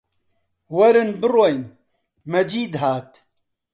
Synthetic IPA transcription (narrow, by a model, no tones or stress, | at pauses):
wɐɾɨnbɨrojn | mɐd͡ʒiːd̪ɦaːt̪